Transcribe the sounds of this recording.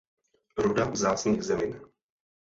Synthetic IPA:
ɾudazaːt͡sɲiːɣzɛmin

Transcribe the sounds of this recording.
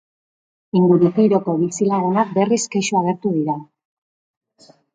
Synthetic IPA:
iŋɡuɾuk̪ejɾo̞ko̞βisilaɾe̞nak̚be̞riskeʃuaɣ̞e̞ɾt̪uðiɾa

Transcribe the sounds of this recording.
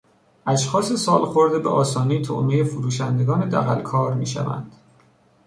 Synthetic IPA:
ʔæʃxɒːse̞sɒːlxo̞ɾd̪ebeʔɒːsɒːnit̪ʰo̰ʔmejefuɾuːʃænd̪e̞ɡɒːne̞d̪æ̰ɣæ̰lkʰɒːɾmiːʃæ̰væ̰nd̪̥

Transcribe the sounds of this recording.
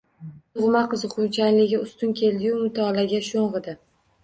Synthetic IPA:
t̪ʊʁmaqɨzɨqʊnt͡ʃʰanlɪɡʲɪʊst̪ʊnkʲʰe̞ld̪ɪjumʊt̪ʰɒlaɡʲaʃoɴʁɨd̪ɪ

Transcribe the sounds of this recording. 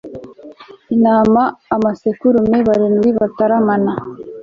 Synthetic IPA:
inaːmaːmasekuɾumeβaɾinɡiβataɾamana

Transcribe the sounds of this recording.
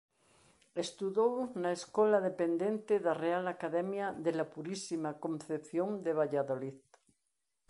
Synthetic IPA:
est̪uðownaeskolaðepend̪ẽnt̪eðarealakaðɛmjaðelapuɾisimakõnθepθjoŋd̪eβ̞aʎaðoliθ

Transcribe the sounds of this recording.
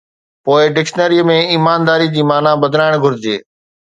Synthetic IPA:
poːɪɖɪkʃnəɾiːəmẽiːmaːnd̪aːɾid͡ʑiːmaːnãbəd̪ʱlaːɪɽ̃ɡʱʊɾd͡ʑḛː

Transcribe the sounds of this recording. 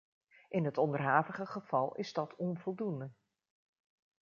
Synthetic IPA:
ʔɪnɦətɔndərɦaːvəχəχəv̥ɑlˠɪ̰zdɑtʰɔnvɔlˠdundə

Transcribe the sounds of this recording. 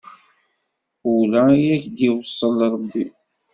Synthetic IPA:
ulæjæçd̪iwəsˤːəlɾˤəbːi

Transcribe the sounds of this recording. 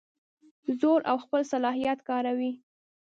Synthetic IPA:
zoɾʔawxpəlsalɑɦijat̪kɑɾawi

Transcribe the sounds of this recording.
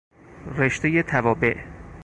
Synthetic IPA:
reʃt̪ejet̪ʰævɒːbe̞ʔ

